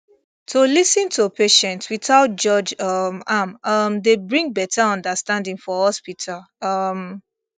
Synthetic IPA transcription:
tolisĩntʰupʰeʃɛ̃ntwiθaʊt̚d͡ʒɔd͡ʒʌmamʌmdebɹĩŋbɛtaɔ̃ndəstãndĩŋfɔhɔspitʰal | ʌm

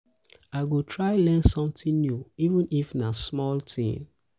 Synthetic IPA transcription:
aɪɡotʰɹaɪlɛ̃nsɔ̃mtĩnnjuivə̃nifnasmɔltʰḭ̃n

